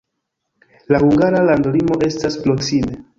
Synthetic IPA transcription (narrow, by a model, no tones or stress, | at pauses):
lahuŋɡaɾalandolimo̞ʔe̞stasplosine